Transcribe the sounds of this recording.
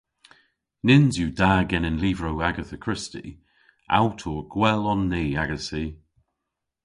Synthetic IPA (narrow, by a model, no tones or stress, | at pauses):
nɪnzjuːdaːɡɛnənliːvɹoʊaɡəθəkʰɹ̥ɪstḭ | ʔa̰wtʰɔːɡ̥wɛlənːiːaɡəsiː